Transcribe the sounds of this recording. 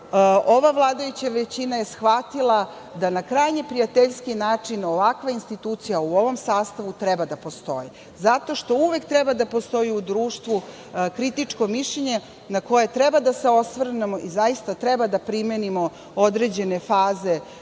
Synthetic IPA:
o̞ʋaʋlˠaːd̪ajut͡ɕaʋet͡ɕinajesxʋat̪ilˠa | d̪anakɾajɲepɾijat̪eʎskinaːt͡ʂino̞ʋakʋainst̪it̪uːt̪sijauoʋo̞msaːst̪aʋut̪ɾɛbad̪apo̞st̪o̞̰ji | zat̪o̞ʃt̪o̞uʋek̚t̪ɾɛbad̪apost̪o̞jiud̪ɾuːʃt̪ʋu | kɾit̪it͡ʂko̞miʃʎeɲe | nako̞je̞t̪ɾɛbad̪aseo̞sʋr̩nemoʔizajist̪at̪ɾɛbad̪apɾimenimo̞ | od̪ɾe̞d͡ʑe̞ne̞faːze

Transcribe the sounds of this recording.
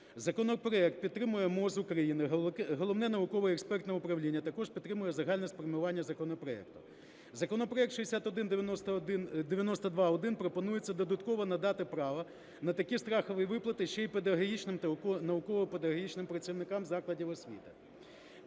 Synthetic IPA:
zɐkɔnɔpɾɔɛk̚t̪̚pʲid̪t̪ːɾɪmʊjɛmɔzʊkɾɐjinɪɦɔlˠɔwnɛnɐʋʊkɔʋɪɛkspɛrt̪nɐʊpɾɐwlʲinʲːɐt̪ɐkɔʐpʲd̪t̪ːɾɪmʊjɛzɐɦɑlʲnɛsfɔɾʲmʊʋɑnʲːɐzɐkɔnɔpɾɔɛ̰k̚t̪ʊ̥ | zɐkɔnɔpɾɔɛk̚t̪ʃɪd̪esʲat̪ɔd̪ɪnd̪eʋjnɔst̪ɐd̪nd̪eʋʲjɐnɔst̪ɐd̪ʋɑɔd̪ɪnpɾɔpɔnujet͡sʲːɐd̪ɔd̪ɐt̪kɔʋɔnɐd̪ɑt̪ɪpɾɑʋɐ | nɐt̪ɐkʲist̪ɾɑxɔʋɪʋɪplˠɐt̪ɪʃt͡ʃɛjped̪ɐɦɐɦʲit͡ʃnɪmnɐʋʊkɔʋɔped̪ɐɦɦɔɦit͡ʃnɪmpɾɐt̪ʲt͡sʲiwnɪkɑmzɑklˠɐdʲiwɔsʲʋʲḭt̪ɪ

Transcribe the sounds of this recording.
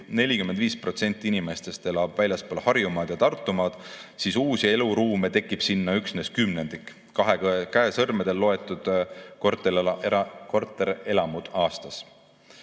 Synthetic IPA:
ne̞lʲikymend̪viːspro̞t̪se̞nʲt̪ːˑiinime̞st̪e̞st̪e̞lɑb̥vælʲjɑspoːlhɑrjumɑːd̪̥jɑt̪ɑrt̪ːˑumɑd̪̥sisuːsie̞luɾuːmet̪e̞kːˑib̥sinːɑyksne̞skymne̞nd̪̥ik | kɑɦekæesɤrmed̪̥e̞lːo̞e̞t̪ːˑud̪̥kort̪e | kort̪ːˑeɾe̞lɑmud̪̥ɑːst̪ɑs

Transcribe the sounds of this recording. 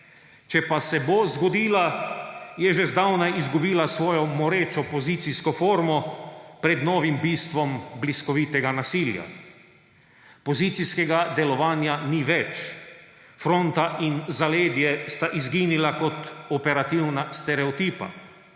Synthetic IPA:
t͡ʃɛpasɛbozɡɔd̪iːla | jɛʒɛzd̪awnaʔizɡubiːlasʋɔːjɔmɔɾeːt͡ʃɔpɔziːt̪siskɔfoːɾmɔpɾɛd̪nɔːʋimbiːst̪ʋɔmbliskɔʋit̪ɛɡanasiːlja̰ | pɔzit̪siskɛɡad̪ɛlɔʋaːnjaniʋɛt͡ʃ | fɾont̪aʔinzaleːd̪jɛst̪aʔizɡiːnilakɔt̪ɔpɛɾat̪iwnast̪ɛɾɛɔt̪iːpa̰

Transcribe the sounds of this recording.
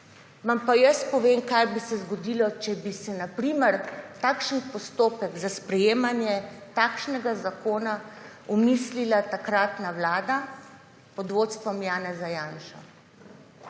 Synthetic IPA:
ʋampajəspɔʋeːmkajbisɛzɡɔd̪ilɔt͡ʃɛbisɛnapɾiːmɛɾt̪aːkʃənpɔst̪oːpɛɡzaspɾɛjeːmanjɛt̪aːkʃnɛɡazakoːna | ɔmislilat̪akɾaːt̪nawlaːd̪a | pɔd̪ʋoːt̪st̪ʋɔmjaːnɛzajaːnʃa

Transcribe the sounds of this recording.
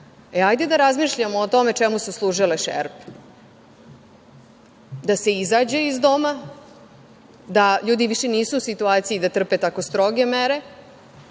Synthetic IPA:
eajd̪e̞d̪aɾazmiːʃʎamoːt̪o̞me̞t͡ʃemususlˠuːʒileʃḛɾp | d̪ase̞izaːd͡ʑeizd̪o̞ma | d̪aʎuːd̪iʋiʃe̞niːsuːsit̪uaːt̪sijid̪at̪r̩pet̪ako̞st̪ɾo̞ɡe̞meɾe̞

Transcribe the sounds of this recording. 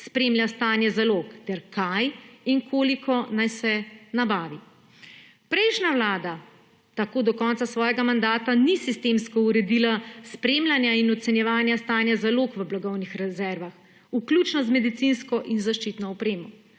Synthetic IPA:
spɾeːmljast̪aːnjɛzaloːkt̪ɛɾkajiŋkʰoːlikʰɔnajsɛnabaːʋi | pɾɛjʃnaʋlaːd̪a | t̪akoːd̪ɔkɔnt̪sasʋɔːjɛɡamand̪aːt̪anisist̪eːmskɔuɾɛd̪ilaspɾemlʲjanjainɔt̪sɛnjɛʋaːnjast̪aːnjazaloːkʋəblaɡɔwnixɾɛzɛɾʋax | uklʲut͡ʃnɔzmɛd̪it̪sinskɔʔinzaʃt͡ʃiːt̪nɔɔpɾeːmɔ

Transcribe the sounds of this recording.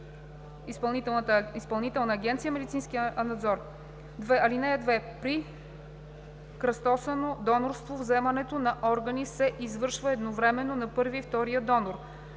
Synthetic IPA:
ispɐlˠnit̪ɛt̪ispɐlˠnit̪ɛlˠnəːɡʲɛnt̪sijəmɛd̪it̪sinskʲinɐd̪zɔɾ | d̪vɛɐlinɛɛd̪vɛpɾi | kɾɐst̪ɔsənod̪ɔnoɾst̪vovzɛmɐnɛt̪onɐʔɔɾɡɐnisɛʔizvɤɾʃvəɛd̪novɾɛmɛnːonɐpɤɾviːft̪ɔɾijəd̪ɔnoɾ

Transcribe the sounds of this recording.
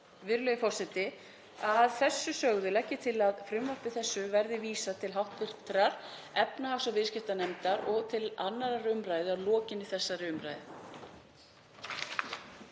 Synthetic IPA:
vɪɾʏlœːjʏfɔr̥sɛt̪ɪ | aðθɛsːʏsœɣðʏlɛhcːɪt̪ʰɪlaðfɾʏmvahp̪ɪθɛsːʏvɛɾðɪviːsat̪ʰɪlɦawht̪fɪr̥t̪ɾaɾ̥ | ɛpnaawsɔvɪðscɪft̪anɛmt̪aɾɔɣt̪ʰɪlanːaɾaɾʏmɾajðɪawlɔːcɪnːɪθɛsːaɾʏmɾa̰jðɪ̰

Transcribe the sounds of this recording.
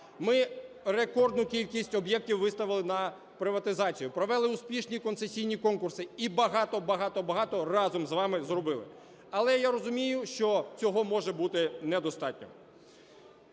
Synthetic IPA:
mɪ | rekɔrd̪nʊkʲilʲkʲisʲtʲɔbjɛk̚tʲiwʋɪst̪ɐʋɪlˠɪnɐ | pɾɪʋɐt̪ɪzɑt͡sʲijʊpɾɔʋɛlˠɪʊspʲiʃnʲikɔnt̪sesʲijnʲikɔnkʊrsɪibɐɦɑt̪ɔbɐɦɑt̪ɔbɐɦɑt̪ɔrɑzɔmzʋɑmɪzrɔbɪlˠɪ̰ | ɐlˠɛjaɾɔzʊmʲijʊʃt͡ʃɔt͡sʲɔɦɔmɔʒɛbut̪ɪnɛd̪ɔst̪ɑtʲnʲɔ̰

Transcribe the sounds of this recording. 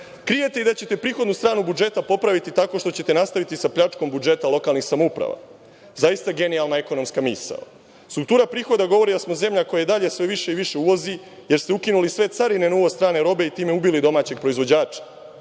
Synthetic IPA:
kɾije̞t̪e̞id̪at͡ɕe̞t̪e̞pɾiːxod̪nust̪ɾaːnubud͡ʒe̞t̪apo̞pɾaʋit̪it̪ako̞ʃt̪o̞t͡ɕe̞t̪e̞nast̪aʋit̪isapʎat͡ʃko̞mbud͡ʒe̞t̪alo̞kalˠnixsamoupɾa̰ʋa̰ | zaist̪aɡe̞nialˠnaeko̞no̞mskamiːsa̰ | st̪ɾuk̚t̪uːɾapɾiːxo̞d̪aɡo̞ʋo̞ɾid̪asmo̞ze̞mʎako̞jad̪aʎe̞sʋe̞ʋiʃe̞iʋiʃe̞uʋo̞zi | je̞ɾst̪eukinulisʋe̞t̪saɾine̞noːʋost̪ɾaːneɾo̞be̞it̪iːmeubilid̪o̞maːt͡ɕe̞ɡ̚pɾo̞izʋod͡ʑaːt͡ʃḁ

